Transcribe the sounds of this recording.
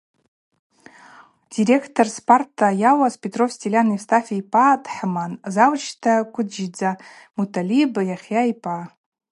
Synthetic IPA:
diɾekʰtʰorspartʰːajawaspʲʼetʼrofstʰʲilʲanistʰafʲejpʼad̥ħmanzawt͡ʃʰtʰakʷʰʊd͡ʒid͡za | mutʰalibjaχʲjaipʼa

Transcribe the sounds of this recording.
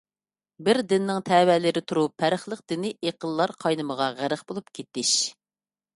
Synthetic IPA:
bɪɾd̪ɪnːɪŋt̪ʰɛːwɛlɪɾɪt̪ʰuɾupʰːæɾəχlˠəq̚d̪̥ɪnɪʔeqəlːˠɑɾqʰɑjnɨməʁɑʁæɾəχbolˠupkʲʰet̪ːɪʃ

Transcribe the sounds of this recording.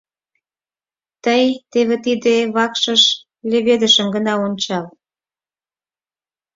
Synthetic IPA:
t̪əjt̪eβĕt̪id̪eβɑkʃə̆ʃ | leβed̪əʃəmɡənɑonʲt͡ɕɑl

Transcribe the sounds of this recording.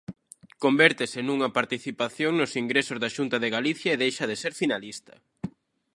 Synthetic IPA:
kombɛɾt̪ɪsɪnuŋɐpaɾt̪iθipaθjoŋnʊsiŋɡɾesʊzðaʃunt̪ɐðɪɣaliθjɐeðejʃɐðeseɾfinalist̪ɐ̥̰

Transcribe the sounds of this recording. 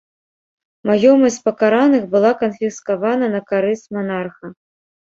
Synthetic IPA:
majɔmɐsʲt͡sʲpɐkaɾanɨxbɨlˠakɐnfʲiskavanɐnɐkaɾɨsmanarxɐ

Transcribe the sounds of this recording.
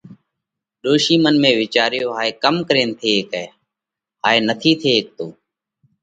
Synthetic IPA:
ɗoːʃiːmənmẽːʋɪt͡ʃaːɾjoːɦaːeːkəmkəɾẽːnt̪ʰeːkɛː | ɦaːeːnət̪ʰiːt̪ʰeːk̚t̪oː

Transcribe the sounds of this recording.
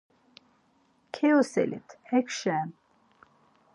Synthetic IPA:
kʰɛɔsɛ̰lḭt̪ʰhɛkʰʃɛm

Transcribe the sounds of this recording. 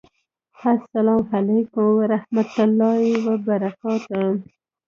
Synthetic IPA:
asːalɑmhalekʊwaɾahmat̪ʊlːɑiwabaɾakɑt̪a

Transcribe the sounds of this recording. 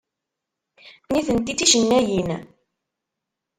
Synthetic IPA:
niθənt̪it̪iʃənːæjin

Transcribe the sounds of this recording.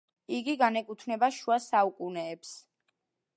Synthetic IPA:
iɡiɡanɛkʼut̪ʰnɛbaʃuasaukʼunɛːps

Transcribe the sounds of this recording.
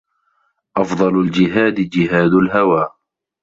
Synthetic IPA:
ʔɑfd̪ˤɑlld͡ʒɪɦaːd̪ɪd͡ʒɪɦaːd̪alɦawaː

